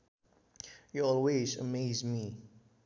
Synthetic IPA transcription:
jɔɔlwezə̰meɪzmi

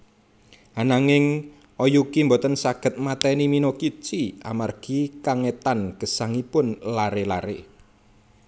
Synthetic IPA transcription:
hanaŋɪŋ | ɔjukimbɔt̪ənsaɡ̥ə̤t̪̚mat̪ɛniminokit͡ʃia̰marɡ̥ikaŋet̪anɡ̥ə̤saŋipʊnlaɾelaɾḛ

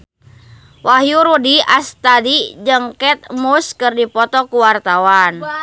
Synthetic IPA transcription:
waɦjuɾudiast̪adid͡ʒəŋkɛt̪̚muskɨrdipɔt̪ɔkuwart̪awan

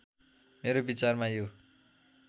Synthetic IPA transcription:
meɾobit͡sarmajo

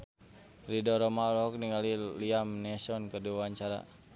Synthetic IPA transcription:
ridɔɾɔmalɔk̚niŋaliliamnɛsɔnkərdiawaɲt͡ʃaɾa̰

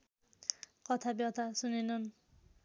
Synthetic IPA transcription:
kʌt̪ʰabjʌt̪ʰasunenʌn

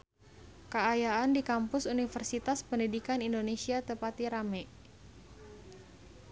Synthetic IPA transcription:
kəajaandikampʊsunifərsit̪aspəndidikanindonesiat̪əpat̪iɾamɛ

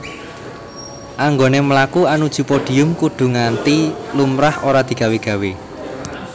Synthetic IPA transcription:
ʔaŋɡonemlakuanud̥ʒ̥ṳpoɖ̥i̤ʊmkuɖ̪̥ṳŋant̪ilumɾahoɾad̪̥i̤ɡ̥ä̤weɡ̥ä̤we

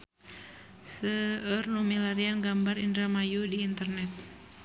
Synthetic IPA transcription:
səərnumilaɾianɡambarindɾamajudiːnt̪ərnɛt̪̚

